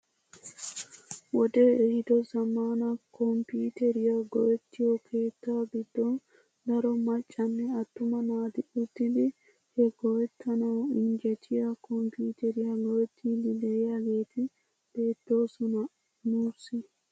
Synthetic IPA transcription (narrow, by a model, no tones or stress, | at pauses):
wɔd̪eɛhɪd̪ɔzɐmaːnɐkʰɔmpuːt̪ɛɾɪjɐɡɔjɛt̪ːɪjɔkʰe̞ːt̪ːaːbɪd̪ːɔn | d̪ɐɾɔmɐt͡ʃʼːɐnːɛɐt̪ːʊmɐnaːd̪ɪʔut̪ːɪd̪ɪ | hɛɡ̥ɔwɛt̪ʰːɐnɐwɪɲd͡ʒɛt͡ʃʰːɪjakɔmpuːt̪ɛɾɪjɐɡɔjɛt̪ʰːid̪ɪdɛjaɡeːt̪ɪ | b̥e̞ːt̪ːo̞ːsɔnɐ | nuːɾsɪ